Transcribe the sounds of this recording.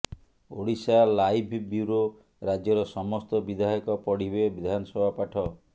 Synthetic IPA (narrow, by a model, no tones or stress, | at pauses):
o̰ɽisalajbʱbjuɾo | ɾad͡ʒjɔɾɔsɔmɔst̪ɔbid̪ʱaɔkɔpɔɽ̤ibebid̪ʱanɔsɔbʱapaʈʰɔ